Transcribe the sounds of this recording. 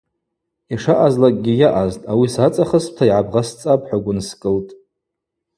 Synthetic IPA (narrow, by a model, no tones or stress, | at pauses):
iʂaʔazlakʼɡʲijaʔaztʼawisat͡sʼaχəsp̚tʰaiʕabʁast͡sʼapʼħʷaɡʷʊnskʼɨltʼ